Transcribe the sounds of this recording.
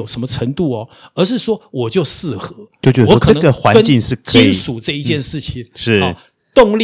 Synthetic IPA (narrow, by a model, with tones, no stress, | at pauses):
o˨˩ʊʂə˧˥nmə˧ʈ͡ʂʰə˧˥ŋt̪u˥˩ɐ˩ə˞˧˥ʂ̬ɻ̩˥˩ʂwɔ˥wɔ˨˩t͡ɕjo˥˧ʊʂɹ̩˥˩xɤ˧˦jo˥˩ʊt͡ɕjɛ˧d̪wɔ˧˥kʰə˨˧ə˥n˦˩ɡə˩xwa˧˦˥ə˥nt͡ɕi˥˧ŋʂɻ̩˥˩kʰi˥n˨ʂu˨˩ʈ͡ʂɤ˥˧i˥˧t͡ɕjɛ˥˧nʂɻ̩˥˩t͡ɕʰi˨˩ŋʂɻ̩˥˩ | t̪ʊ˥˧ŋl